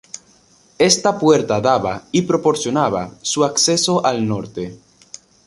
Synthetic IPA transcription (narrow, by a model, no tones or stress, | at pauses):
e̞st̪apweɾt̪aðaβaipɾopo̞ɾsjo̞naβa̰suakseso̞ʔalnoɾt̪e